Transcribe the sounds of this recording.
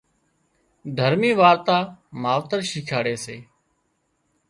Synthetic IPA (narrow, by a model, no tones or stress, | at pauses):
d̪ʱəɾmiːʋaːɾt̪aːmaːʋt̪əɾʃiːkʰaːɽeːseː